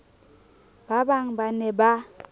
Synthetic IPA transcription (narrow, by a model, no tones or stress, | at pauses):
b̥abaŋbanɛba